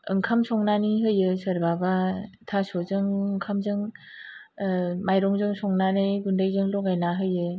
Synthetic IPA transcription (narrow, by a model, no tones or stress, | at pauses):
ɯ̰ŋkʰamsʰɔŋnaniɦɯjɯsɯɾbabatʰasozɯŋɯŋkʰamzɯŋ | majɾɔŋzɯŋsʰɔŋnanɯjɡundɯjzɯŋlɔɡajnaɦɯjɯ